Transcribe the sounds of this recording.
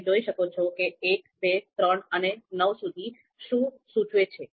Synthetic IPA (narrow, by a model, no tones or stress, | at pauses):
d͡ʒoiʃəkot͡ʃʰokeːkbet̪ɾəɳənenəʋsud̪ʱi | ʃũ | sũʈʰʋet͡ʃʰe